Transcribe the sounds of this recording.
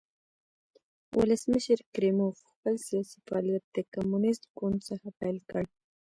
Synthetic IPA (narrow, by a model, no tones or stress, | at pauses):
wʔʊ̰ləsməʃəɾkɾemofxpəlsijɑsifaɑljat̪̚d̪əkamunɪst̪ɡʊnd̪səxapajlkəɽ